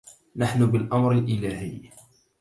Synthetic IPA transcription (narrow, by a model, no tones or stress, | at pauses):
naħnʊbɪlʔamɾɪlʔɪlaːhɪ̰ː